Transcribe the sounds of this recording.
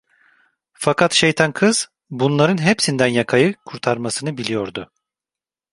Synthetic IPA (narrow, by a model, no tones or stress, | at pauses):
fakʰat̪ʃejt̪ʰankʰɯz̥ | bunlˠaɾɯnɦepsind̪ænjakʰajɯkʰuɾt̪ʰaɾmasɯnɯbilʲijo̞ɾd̪ʊ